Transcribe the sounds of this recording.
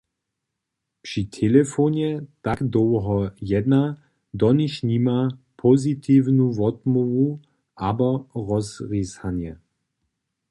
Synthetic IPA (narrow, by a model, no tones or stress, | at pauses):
pʂit̪ʰɛlɛfonɛt̪aɡd̪ɔwɦɔjɛd̪na | d̪ɔniʃnimapʰɔzit̪ʰiːvnuvɔt̪mɔvu | ʔabɔʁɔsʁishanjɛ